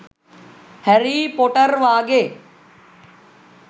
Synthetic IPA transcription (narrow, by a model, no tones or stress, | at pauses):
hɛɾipoːʈəɾʋaːɡeː